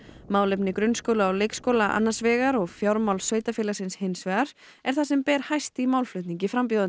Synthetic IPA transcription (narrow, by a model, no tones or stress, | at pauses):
maːwlɪpnɪkɾʏnskowlaawlejkskowlaʔa̰nːansvɛːɣaɾɔɣfjawɾmawlsvœːɥt̪afɪːlasɪnshɪnsvɛɣaɾ̥ | ɛɾ̥θasɛmpɛːɾ̥hajst̪imawlflʏht̪niɲcɪfɾamp̬joðʏ